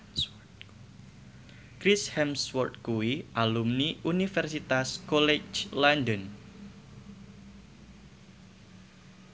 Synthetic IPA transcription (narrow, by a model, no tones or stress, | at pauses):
kɾishɛmswɔrt̪̚kuwiʔalumniunifɛrsit̪askɔlɛt͡ʃlandən